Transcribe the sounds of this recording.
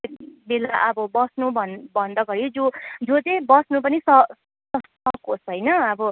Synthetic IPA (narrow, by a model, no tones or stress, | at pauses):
belaʔʌbʌbʌsnubʱʌnbʱʌnd̪ʌɡʌɾid͡zod͡zod͡z̪ebʌsnupʌnisʌ | sʌst̪ʌkosɦʌjnʌʌbʌ